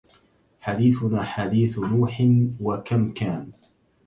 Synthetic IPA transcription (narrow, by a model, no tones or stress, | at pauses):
ħad̪iːθʊnaːħad̪iːθnuːħɪnwakamkaːn